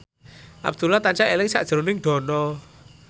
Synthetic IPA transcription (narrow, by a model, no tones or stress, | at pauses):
ʔa̰b̚d̪̥ulat̪aɲt͡ʃaʔelɪŋsa̰ʔd̥ʒ̥əɾonɪŋɖ̪̥ɔ̤nɔ